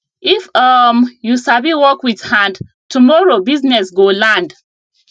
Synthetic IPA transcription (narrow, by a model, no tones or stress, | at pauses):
ifamjusaviwɔkwið̥hãnd | tumɔɹobiznɛsɡolãnd